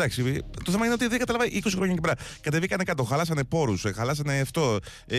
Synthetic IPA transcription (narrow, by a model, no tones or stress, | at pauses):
d̪ɐksit̪oθe̞mɐineot̪iðekɐt̪ɐlɐvɐʔiko̞sixɾoɲɐcepeɾɐkɐt̪e̞vikɐnekɐt̪oxɐlɐsɐne̞po̞ɾusxɐlɐs̬ɐneːft̪o̞